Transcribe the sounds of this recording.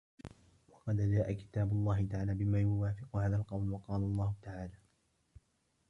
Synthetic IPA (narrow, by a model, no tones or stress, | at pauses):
wɑqɑd̪d͡ʒaːʔakɪ̥t̪aːbʊlˤːɑːhɪt̪aʕaːlaːbɪmaːjʊwaːfɪqʊhaːðalqɑwlwɑqɑːlalˤːɑːhʊt̪aʕaːlaː